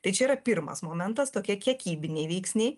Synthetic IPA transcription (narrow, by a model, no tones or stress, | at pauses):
t̪ɐɪt͡ʃʲɛiːɾɐpʲɪɾmɐ̰smoːmʲɛnt̪ɐst̪oːkʲiɛkʲiɛkʲiːbʲɪnʲeɪʋʲɛɪksʲnʲɛɪ